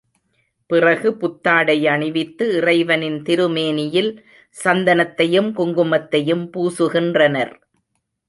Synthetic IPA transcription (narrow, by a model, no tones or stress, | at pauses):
pɪrɐɣɯpʊt̪ːaːɽɐɪɐɳɪʋɪt̪ːɯɪrɐɪʋɐnɪnt̪ɪɾɯmeːnɪjɪl | sɐnd̪ɐnɐt̪ːɐjɯmkʊŋɡɯmɐt̪ːɐjɯmpuːsɯɣɪndrɐnɐɾ